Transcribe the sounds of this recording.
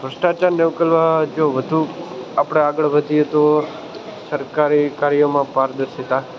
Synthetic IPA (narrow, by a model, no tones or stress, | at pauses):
bʱɾəsʈat͡ʃaɾneukəlʋad͡ʒoʋəd̪ʱuapɽ̃eaɡəɭʋəd̪ʱijet̪o | səɾkaɾikaɾjomãpaɾd̪əɾʃit̪a